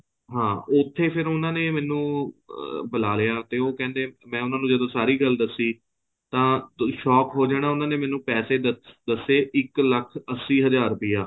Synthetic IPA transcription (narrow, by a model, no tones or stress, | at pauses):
ɦãːʊt̪ʰːeːpʰɪɾʊnãːneːmɛ̃ːnũː | bəlaːlejaːt̪eːoːkɛ̃ːnd̪eːmɛ̃ːʊnãːnũːd͡ʒəd̪õːsaːɾiːɡəld̪əsːiː | t̪ãːʃɔːkɦoːd͡ʒaːɽ̃aːʊnãːneːmɛːnũːpɛːseːd̪əd̪əseːʔɪkləkʰəsːiːɦəzaːɾpɪjaː